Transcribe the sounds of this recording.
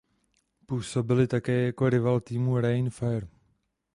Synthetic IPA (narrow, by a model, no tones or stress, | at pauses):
puːso̞bɪlɪt̪akɛːjako̞ɾɪvalt̪iːmuɾajnfɛɾ